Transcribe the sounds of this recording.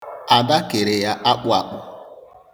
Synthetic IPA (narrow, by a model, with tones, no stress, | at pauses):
a˨ba˦ke˨ɾe˨ja˦ʔa˦k͡pʊ˦a˨k͡pʊ˦